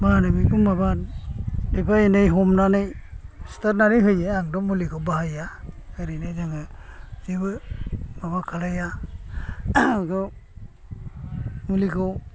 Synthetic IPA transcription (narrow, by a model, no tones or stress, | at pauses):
manɯbikumaba | depʰanɯjɦɔmnanɯjstaɾnanɯjɦɯjeaŋdɔmulikʰawbahajaɯɾinɯjzaŋɯzibɯmabakʰalaja | kɯw | mulikʰaw